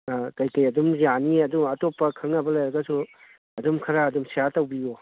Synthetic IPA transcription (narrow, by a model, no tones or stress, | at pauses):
kɐjkɐjɐdumzaniɐdumɐtopːɐkʰɐŋnɐbɐlɐjɾɐɡɐsu | ɐdumkʰɐɾaːdumsijatɐwbio